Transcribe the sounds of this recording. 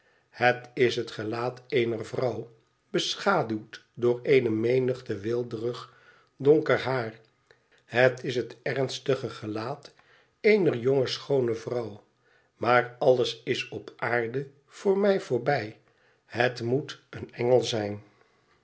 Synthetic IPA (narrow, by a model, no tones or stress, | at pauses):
hətɪsɦətχəlaːtejnərvrʌw | bəsχaːdywtdʊːɹejnəmejnəχtəʋɪlˠdərəχ | dɔŋkərɦaːr | ɦətɪsɦətɛɹnstəχəχəlaːt | ejnərjoŋəsχownəvrʌw | maːrɑləsɪsɔpʔaːɹdə | v̥ʊːɹmɛjvʊːɹbɛj | ɦətmutənɛŋəlˠzɛjn